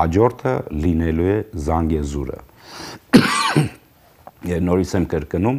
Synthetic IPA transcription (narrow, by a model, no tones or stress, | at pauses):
hɑd͡ʒɔɾt̪ʰə̰linɛlujɛzɑŋɡɛzuɾə̰ | jɛvnɔɾit͡sʰɛmkəɾkənum